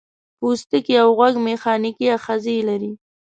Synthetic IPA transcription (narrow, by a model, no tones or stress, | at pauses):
pust̪əkiawɣwaɡmexɑnɪkiaxazilaɾi